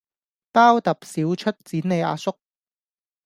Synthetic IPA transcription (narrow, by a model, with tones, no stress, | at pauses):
paː˥wt̪ɐ˨p̚siː˨˥wt͡ʃʰɵ˥t̚t͡siː˨˥nne˨˧ja̰ː˧sʊ˥k̚